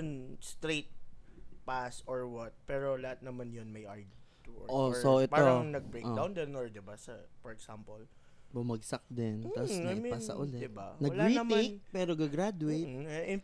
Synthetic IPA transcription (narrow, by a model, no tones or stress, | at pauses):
ʊnst̪ɾejt̪̚pasoɹwɐt̪̚pɛːɾolɐhat̪̚nɐmanjonmɐjʔaɹɡt̪ṵʔosoʔɛtpaːoɾɐŋnɐɡ̚bejkʔd̪awnd̪ɛnoɹd̪ɪbasɐfɔɹɛksampol | bʊmɐɡsɐk̚d̪ɪnt̪ɐsnpasɐ̰ʔʊlɛd̪ɪbanɐɡlɾitmek̚pɛːɾoɡɐɡɾad̪ʊejt̪ɪn